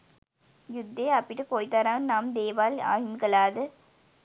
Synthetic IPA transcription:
jud̪ʱːeːɐpːiʈːɯkoːjt̪ɐɾaːnnaːmd̪eːʋaːla̰ːɦimkɐlaːðɯ

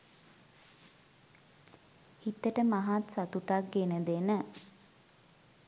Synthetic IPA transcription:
hit̪ːəʈəmaɦat̪sat̪uʈak̚ɡenəd̪enə

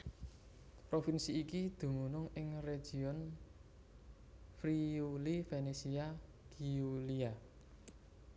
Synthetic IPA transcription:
pɾofinsiːkid̪̥ṳmunʊŋɪŋre̥ʒ̥i̤ɔn | fɾiulifenesia | ɡ̥iulia

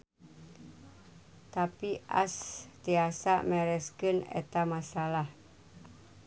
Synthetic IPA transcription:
t̪apiʔa̰st̪iasaʔmɛɾɛskənḛt̪amasalah

